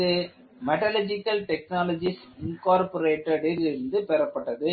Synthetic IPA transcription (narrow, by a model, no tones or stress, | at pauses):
ɯ | mɛʈɐlɐd͡ʒɪkːɐlʈɛk̚naːlɐd͡ʒis | ɪnkaːɾpɔɾeːʈːɐɽɪlɪɾɯnd̪ɯpɛɾɐpːɐʈːɐðɯ